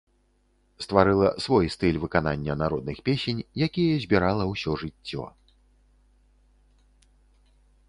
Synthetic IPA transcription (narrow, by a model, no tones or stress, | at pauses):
st̪vaɾɨlˠɐsvɔjst̪ɨlʲvɨkana̰nʲːɐnaɾɔd̪̚nɨxpʲesʲenʲjakʲijɐzʲbʲiɾalˠɐwsʲɔʐɨt͡sʲːɔ̰